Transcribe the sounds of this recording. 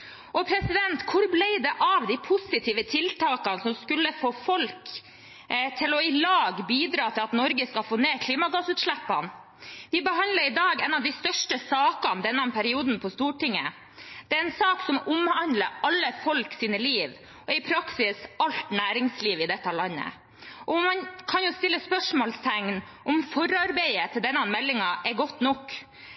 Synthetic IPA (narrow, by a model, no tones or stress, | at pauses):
ʔɔpʰɾɛsɪd̪ɛnt̪kʰʊɾblɛɪd̪ɛʔɑʋd̪æɪpʰʊsɪt̪ʰiːʋət̪ʰɪlt̪ʰɑːkɑnsɔmskʉlːəfoːfɔlk | t̪ʰɪlɔɪlɑːɡbiːd̪ɾɑːt̪ʰɪlɑt̪nɔɾɡəskɑlfoːneːkʰliːmɑɡɑsʉːt̪ʂɭæpːɑn | ʋɪbəɦɑnd̪ləɾɪd̪ɑːɡɛnɑʋd̪ɪst̪œʂʈəsɑːkɑnd̪ɛnːɔmpʰæɾɪuːd̪n̩pʰɔst̪uːʈɪŋːə̰ | d̪̥ɛɾɛnsɑːksɔmʊmhɑnd̪ləʔɑlːəfɔlksiːnəliːʋ | ʔɔɪpʰɾɑksɪsɑlt̪næːɾɪŋsliːʋɪd̪ɛt̪ːɑlɑnːə̰ | ʔɔmɑnkʰɑnjʊst̪ɪlːəspœʂmoːlst̪ʰɛŋn | ʔɔmfɔɾɑɾbɛɪət̪ʰɪld̪ɛnːɑnmɛlːɪŋɑʔɛɡɔt̪ːnɔkː